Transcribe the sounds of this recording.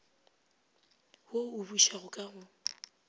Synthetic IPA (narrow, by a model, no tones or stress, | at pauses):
houbuʃaɣʊkʼaɣʊ